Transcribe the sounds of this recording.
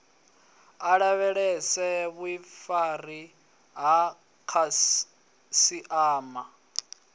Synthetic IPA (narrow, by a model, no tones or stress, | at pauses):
aɺaβɛɺɛsɛβwifari | ɦa | kʰa | siʔaːma